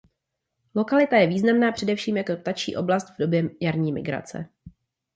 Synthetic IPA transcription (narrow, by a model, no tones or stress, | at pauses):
lo̞kalɪt̪ajɛviːznamnaːpr̥ɛdɛfʃiːmjakop̚t̪at͡ʃḭːʔo̞blast̪vdo̞bjɛjaɾɲiːmɪ̰ɡɾa̰t͡sɛ̰